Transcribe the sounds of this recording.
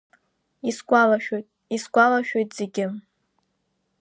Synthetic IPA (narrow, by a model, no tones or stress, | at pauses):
iskʷʼalaʃᶣojtʼ | iskʷʼalaʃᶣojtʼz̥eɡʲɪm